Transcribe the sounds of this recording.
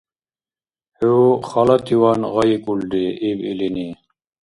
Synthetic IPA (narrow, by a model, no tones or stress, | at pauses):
heχɑlɑt̪ʰiwɑnʁɑjikʼuld̪iibḭlini